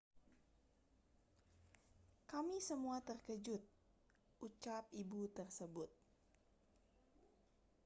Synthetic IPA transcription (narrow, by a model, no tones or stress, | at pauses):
kamisəmuat̪ərkəd͡ʒʊt̪̚ | ʔut͡ʃap̚ibut̪ərsəbʊt̪̚